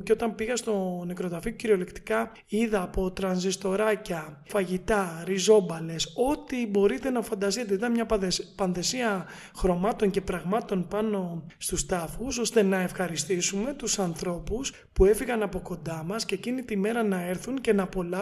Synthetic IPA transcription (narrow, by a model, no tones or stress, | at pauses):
ceo̞t̪ɐmpiɣɐst̪o̞ne̞kɾo̞t̪ɐfiociɾio̞lekt̪i̥kɐ | iðɐːpo̞t̪ɾɐnzist̪o̞ɾɐcɐ | fɐʝit̪ɐɾizo̞bɐle̞so̞t̪ibo̞ɾit̪e̞nɐfɐnd̪ɐst̪it̪eit̪ɐnmɲɐpɐnθe̞siɐ | xɾo̞mɐt̪o̞ŋce̞pɾɐɣmɐt̪o̞npɐno̞st̪ust̪ɐfuso̞st̪e̞nɐe̞fxɐɾist̪isume̞t̪usɐnθɾo̞pus | pue̞fiɣɐnɐpo̞ko̞nd̪ɐmɐsce̞cinit̪ime̞ɾɐnɐe̞ɾθunce̞nɐpo̞lɐ